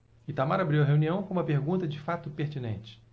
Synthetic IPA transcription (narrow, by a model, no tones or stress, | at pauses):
ɪt̪amaɾabɾiwɐɦeuniɐ̃w̃kõũmɐpeɾɡũt̪ɐd͡ʒɪfat̪ʊpeɾt͡ʃinḛ̃nt͡ʃɪ̥